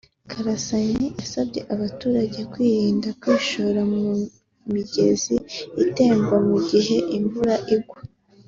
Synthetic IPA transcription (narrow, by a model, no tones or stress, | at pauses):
kʰaɾasaɲiʔasabɟe̞ʔaβatuːɾaɟe̞kwiːɾiːndakwiːʃoɾamu | miɟe̞ziite̞ːmɡwamuɟiɦe̞ʔiɱvuɾaʔiɡwu